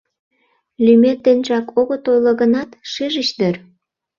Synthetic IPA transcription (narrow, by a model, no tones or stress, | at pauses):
lymet̪ːenʒɑkoɣot̪ojlŏɣənɑt̪ʃeʒət͡ɕnør